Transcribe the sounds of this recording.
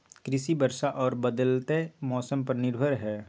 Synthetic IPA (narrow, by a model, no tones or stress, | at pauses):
kɾɪsibəɾʃaʔɔːɾbəd̪əlt̪emɔːsəmpəɾnɪɾbʱəɾɦɛː